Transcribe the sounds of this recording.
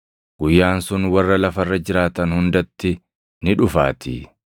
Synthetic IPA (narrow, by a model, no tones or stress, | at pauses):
ɡʊjːaːnsʊnwɐrːɐlɐfɐrːɐd͡ʒɪɾaːt̪ɐnhʊnd̪ɐt̪ːɪ | nɪᶑʊfa̰ːt̪ɪ̰